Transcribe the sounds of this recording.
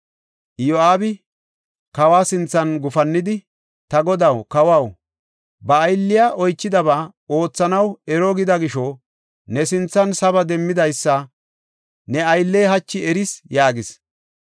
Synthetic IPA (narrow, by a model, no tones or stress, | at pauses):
joaːbɪ | kɐwaːsɪnt͡sːɐnɡʊfɐnːɪd̪ɪ | t̪ɐɡɔd̪ɐwkɐwɐw | bɐːjlːɪjaʔɔjt͡ʃːɪd̪ɐβaː | o̞ːt͡sːɐnɐwɛɾɔɡɪd̪ɐɡɪʃɔ | nɛsɪnt͡sːɐnsɐβɐd̪ɛmːɪd̪ɐjsːɐ | nɛɐjlːeːɦɐt͡ʃːɪɛɾɪsjaːɡɪs